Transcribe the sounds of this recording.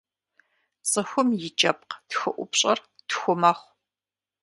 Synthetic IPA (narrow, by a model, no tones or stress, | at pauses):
t͡sʼɨxʷʊmjɪt͡ʃʼɐp̚qtxɨʔʷʊpɕʼɐrtxʷʊmɐχʷ